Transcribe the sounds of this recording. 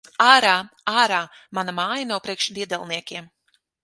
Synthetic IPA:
aːɾaː | aːɾaː | manɐmaːjɐnawpɾiɛkʃd̪iɛd̪ɛlˠniɛkʲiɛm

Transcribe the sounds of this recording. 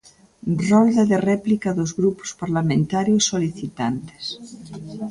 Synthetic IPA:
rɔld̪ɐðerɛplikaðozɣɾupʊ̥spaɾlamẽnt̪aɾjʊsːoliθit̪ant̪e̥s

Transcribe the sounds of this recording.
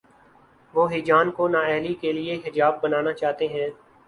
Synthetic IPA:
ʋoːɦɪd͡ʒaːnkonaːɛːɦlikelɪeɦɪd͡ʒaːbːənaːnat͡ʃaːt̪eɦɛ̃ː

